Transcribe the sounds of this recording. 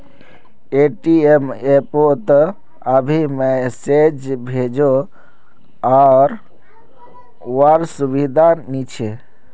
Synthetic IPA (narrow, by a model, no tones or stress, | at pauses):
eʈiemepot̪ə | əbʱimesed͡ʒbʱed͡ʒo | aɾ | waɾsubid̪ʱanit͡ʃʰe